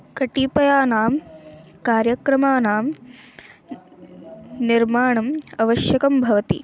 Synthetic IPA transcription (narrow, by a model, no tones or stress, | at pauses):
kɐʈipɐjaːnaːmkaːɾjɐkɾɐmaːnaːm | niɾmaːɳɐmɐʋɐʃjɐkɐmbʱɐʋɐt̪ḭ